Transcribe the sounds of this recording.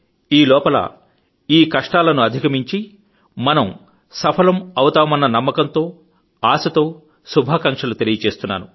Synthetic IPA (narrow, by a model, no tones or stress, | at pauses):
iːlɔːpɐlɐ̰ | iːkɐʂʈaːlɐnuɐd̪ʱikɐmiɲt͡ʃi | mɐnɐm | sɐpʰɐlɐmɐwɐt̪aːmɐnːɐnɐmːɐkɐnt̪o̞ː | aːsɐt̪o̞ː | subʱaːkɐŋkʂɐlut̪elijɐt͡ʃe̞ːst̪unːa̰ːnu